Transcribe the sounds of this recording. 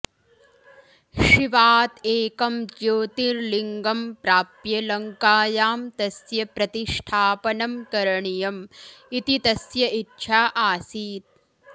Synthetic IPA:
ʃiʋaːt̪eːkɐmd͡ʒjoːt̪iɾliŋɡɐmpɾaːpjɐlɐŋkaːjaːmt̪ɐsjɐpɾɐt̪iʂʈʰaːpɐnɐmkɐɾɐɳijɐmit̪it̪ɐsjɐʔitːʃʰaːʔaːsiːt̪̚

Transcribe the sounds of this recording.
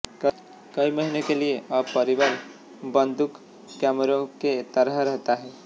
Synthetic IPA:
k | kəiməɦinekelieəbpəɾibaɾ | bənd̪ʱukː | amɾõket̪əɾəɦɾəɦt̪aɦɛ

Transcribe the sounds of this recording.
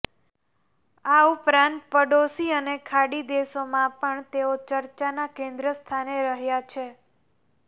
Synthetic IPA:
aupɾãnt̪̚pəɖosiənekʰaɽid̪esomãpəɳt̪eot͡ʃəɾt͡ʃanakẽnd̪ɾəst̪ʰaneɾəɦjat͡ʃʰe

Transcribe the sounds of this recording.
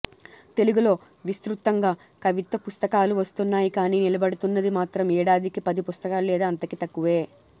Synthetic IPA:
t̪e̞luɡulo̞ː | ʋist̪ɾut̪ːɐŋɡaː | kɐʋit̪ɐpust̪ɐkaːluʋɐst̪unːaːjikaːniːnilɐbɐɽut̪unːɐd̪imaːt̪ɾɐmɛːɽaːd̪ikipɐd̪ipust̪ɐkaːlulɛːd̪aːɐnt̪ɐkit̪ɐkːuʋeː

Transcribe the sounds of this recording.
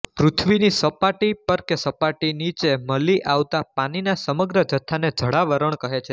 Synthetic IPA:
pɾut̪ʰʋinisəpaʈipəɾkesəpaʈinit͡ʃeməliʔʔaʋt̪apañinasəməɡɾəd͡ʒət̪ʰːaned͡ʒʱəɽaʋəɾəɳ̃kəɦet͡ʃʰe

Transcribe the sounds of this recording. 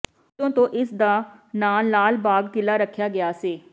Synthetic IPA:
õːt̪õːʔɪsd̪aːnaːnːaːlbaːɡt̪ɪlaːɾəkʰːjaːɡɪjaːseː

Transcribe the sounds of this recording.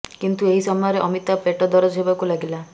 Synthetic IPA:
kint̪ueɦisɔmɔjɔɾeʔɔmit̪apeʈɔd̪ɔɾɔd͡ʒɦebakulaɡila

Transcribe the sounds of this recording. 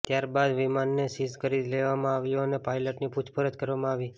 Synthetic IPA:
t̪jaɾbad̪ʋimanːesizkəɾid̪leʋamãaʋjuənepajləʈniput͡ʃʰpəɾət̪kəɾʋamãaʋi

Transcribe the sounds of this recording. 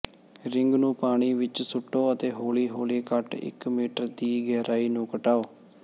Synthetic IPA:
ɾɪŋɡnũːpaːɳ̃iːʋɪt͡ʃsʊʈːoːət̪eːɦoːliːɦoːliːkəʈɪ̰kmiːʈəɾd̪iːɡɛːɾaːiːnũːkəʈaːoː

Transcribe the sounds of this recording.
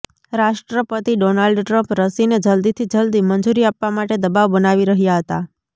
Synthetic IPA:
ɾaʃʈɾəpət̪iɖonalɖʈɾəmpɾəsined͡ʒəld̪it̪ʰid͡ʒəld̪imənd͡ʒuɾiapʋamaʈed̪əbaʋbənaʋiɾəɦjaɦət̪a̰

